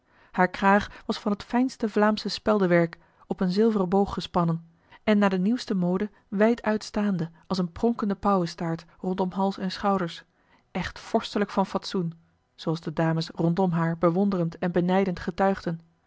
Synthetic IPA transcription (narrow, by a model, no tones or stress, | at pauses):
haːɹkraːχʋɑsfɑnɦətfɛjnstəvlaːmsəspɛlˠdəʋɛɹk | ɔpənzɪlˠvərəbowχəspɑnən | ɛnːaːdəniwstəmowdə | ʋɛjtʰœɥtstaːndəʔɑlˠsənprɔŋkəndəpɑwəstaːɹtrɔntɔmɦɑlˠsɛnsχɑwdəɹs | ʔɛχtfɔɹstələkfɑnfɑtsun | z̥owɑlˠzdədaːməsrɔntɔmɦaːɹbəʋɔndərəntɛnbənɛjdəntχətœɥχdən